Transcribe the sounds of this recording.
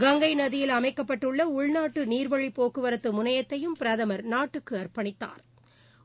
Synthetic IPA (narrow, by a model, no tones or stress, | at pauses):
ɡɐŋɡɐɪnɐðɪjɪlɐmɐɪkːɐpːɐʈːɯɭːɐʊɭnaːʈːɯniːɾʋɐɻipoːkɯʋɐɾɐt̪ːɯmʊnɐjɐt̪ːɐjɯmpɪɾɐðɐmɐɾnaːʈːɯkːɯɐrpɐɳɪt̪ːa̰ːɾ